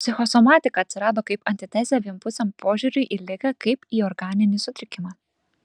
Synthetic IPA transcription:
pʲsʲɪxɔsɔmɑːt̪ʲɪkɐːt̪ʲsʲɪɾɑːd̪ɐkɐɪpɐnʲt̪ʲɪt̪ʲæːzʲɛʋʲiɛmpʊsʲɛmpʰoːʒʲuɾʲʊɪʔilʲɪkɐkɐɪpiːɔɾɡɑːnʲɪnʲɪsʊt̪ʲɾʲɪkʲɪmɑː

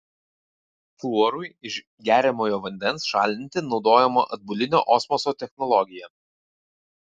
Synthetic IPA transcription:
flˠuɔɾʊɪɪʃ | ɡʲæːɾʲɛmoːjoːʋɐnʲd̪ʲɛnsʃɑːˑlʲd̪ʲɪnʲt̪ʲɪnɒʊd̪oːjɛmo̰ʔɐd̪̚bʊlʲɪnʲo̰ːʔɔsmɔsoːt̪ʲɛxnɔlˠɔɡʲɪjɛ

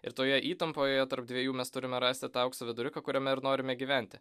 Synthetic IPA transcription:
ɪ̰ɾt̪oːjɛʔiːt̪ɐmpoːjoːjɛt̪ɐɾp̚d̪ʲʋʲiɛjuːmʲɛst̪ʊɾʲɪmʲɛɾɑːsʲt̪ʲɪt̪ɑɐʊksɐʋʲɪd̪ʊɾʲɪkɐkʊɾʲɛmʲɛɪɾnoːɾʲɪmʲɛɡʲiːʋʲæˑnʲt̪ʲɪ

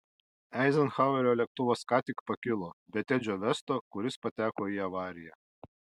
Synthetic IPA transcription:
ɛɪzʲɛnxɑʊɛɾʲoːlʲɛk̚t̪ʊʋoːskɑːt̪ʲɪkpɐkʲɪlˠoːbʲɛt̪ʲɛd͡ʒʲoːʋʲɛst̪oːkʊɾʲɪspɐt̪ʲæːkoːiːɐʋɑːɾʲɪjɛ

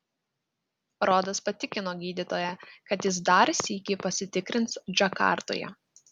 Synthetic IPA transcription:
ɾoːd̪ɐspɐt̪ʲɪkʲɪnoːɡʲiːd̪ʲɪt̪oːjɛkɐt̪jɪs̬d̪ɑːɾʲsʲiːkʲipɐsʲɪt̪ʲɪkɾʲɪnt̪sd͡ʒʲɐkɑ̰ˑɾt̪o̰ːjɛ̰

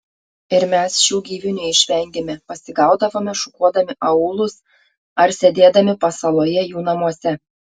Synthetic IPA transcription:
ɪɾmʲɛsʃʲuːɡʲiːʋʲɪnʲʊɪʃʲʋʲɛˑŋʲd̪ʲeːmʲɛpɐsʲɪɡɑˑʊd̪ɐʋoːmʲɛʃʊkuɔd̪ɐmʲɪʔɐuːlˠʊs | ɐɾsʲɛd̪ʲeːd̪ɐmʲɪpɐsɐlˠoːjɛjuːnɐmuɔsʲɛ

